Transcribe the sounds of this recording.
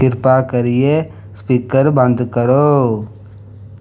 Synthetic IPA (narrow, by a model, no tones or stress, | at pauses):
ɪɾpakɐɾije | spiːkəɾbə̃nd̪ʱkəɾoː